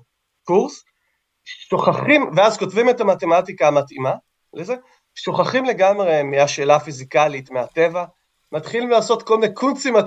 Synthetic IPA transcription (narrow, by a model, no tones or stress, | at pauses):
kuʁs | ʃoχaχimveazko̞tvime̞tamate̞matikaːmatḭma | leze̞ | ʃoχaχimle̞ɡamʁemiaʃe̞ːlafizikalitmeate̞va | matχilimlaːso̞tko̞lmnekʰunt͡sima